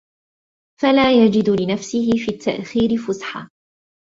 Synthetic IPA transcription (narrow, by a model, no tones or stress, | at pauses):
falaːjad͡ʒɪd̪lɪnafsɪhɪfiːt̪ʰːaʔxiːɾɪfʊsħa̰ː